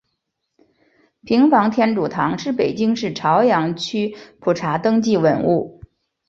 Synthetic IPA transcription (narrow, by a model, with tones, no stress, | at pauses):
pʰi˧˥ŋfɑ˧˥ŋt̪ʰjɛ˥nʈ͡ʂu˨˩t̪ʰɑ˧˥ŋʂɻ̩˥˩pe˨˩ɪt͡ɕi˥ŋʂɻ̩˥˩ʈ͡ʂʰɑ˧˥ʊjɑ˧˥ŋt͡ɕʰy˥pʰu˨˩ʈ͡ʂʰa˧˥t̪ɤ˥ŋt͡ɕi˥˩wə˨˩nu˥˩